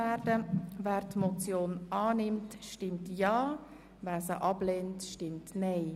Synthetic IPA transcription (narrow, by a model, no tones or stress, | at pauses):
ɛːɾdəvɛːɾtmɔt͡sjoːnɑːnɪmtʃtɪmtjɑː | vɛːsəʔɑbleːntʃtɪmtnɛɪ